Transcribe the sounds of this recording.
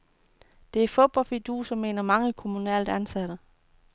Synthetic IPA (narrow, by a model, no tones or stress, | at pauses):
d̥e̝æfod̥̚b̥ɒ̽lfid̥ṵːsɒ̽mːe̝ːnɐmɑ̈ŋəkʰo̝munɛ̰ld̥ænsæɾ̥ə